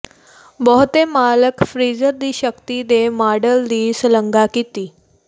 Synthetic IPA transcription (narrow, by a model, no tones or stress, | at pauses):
bɔɦt̪emaləkfɾid͡zəɾd̪iːɕəkt̪id̪emaɽəld̪iːsləŋɡakit̪iː